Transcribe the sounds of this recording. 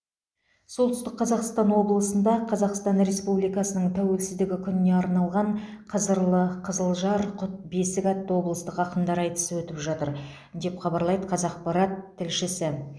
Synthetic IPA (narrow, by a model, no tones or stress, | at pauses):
so̞lˠt̪ʏst̪ɪqqʰːɑzɑqst̪ɑnwo̞blˠəsənd̪ɑqʰɑzɑqst̪ɑnɾe̞spublijkɑsənəɴt̪ʰæwelsɪzd̪ɪɡʲɪkʲʰʏnɪneɑɾnɑlˠʁɑɴqʰəzəɾlˠəqʰəzəlˠʒɑɾqʰʊt̪̚be̞sɪkʲɑt̪ːəwo̞blˠəst̪əqɑqəmd̪ɑɾɑjt̪ə̥səwɵt̪ɪpʒɑt̪əɾ | d̪e̞pχɑbɑɾlˠɑjd̪əqʰɑzɑqpɑɾɑt̪ʰːɪlʃɪsɪ